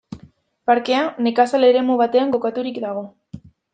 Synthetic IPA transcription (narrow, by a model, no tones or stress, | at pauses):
paɾke̞ane̞kasale̞ɾe̞muβat̪e̞aŋɡo̞kat̪uɾikd̪aɣ̞o̞